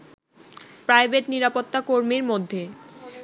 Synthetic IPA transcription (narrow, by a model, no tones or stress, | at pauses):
pɾajbeʈniɾapot̪ːakoɾmiɾmod̪ʱːe